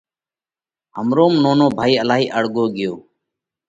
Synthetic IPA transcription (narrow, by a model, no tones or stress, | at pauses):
ɦəmɾoːmnoːnoːbʱaːiːəlaːɦiːʔəɽɡoːɡɪjoː